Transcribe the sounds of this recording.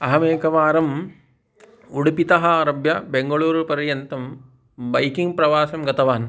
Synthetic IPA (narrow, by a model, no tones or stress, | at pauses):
ɐɦɐmeːkɐʋaːɾɐm | uɽupit̪ɐɦɐɾɐbjɐbeŋɡɐɭuːɾpɐɾjɐnt̪ɐm | bɐjkiŋɡpɾɐʋaːsɐmɡɐt̪ɐʋaːn